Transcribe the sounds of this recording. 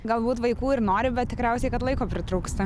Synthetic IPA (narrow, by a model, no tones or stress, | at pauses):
ɡɐlˠbuːt̪ʋɐɪkuːɪɾnoːɾʲɪbʲɛt̪t̪ʲɪkɾʲɛʊsʲɛɪkɐt̪lˠɐɪkoːpʲɾʲɪt̪ɾuːkst̪ɐ